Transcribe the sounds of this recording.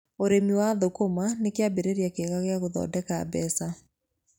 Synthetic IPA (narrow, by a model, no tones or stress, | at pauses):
oɾemiwaðokomanekeabeɾeɾjakeɣaɣeaɣoðɔ̰dɛka̰ːbɛsa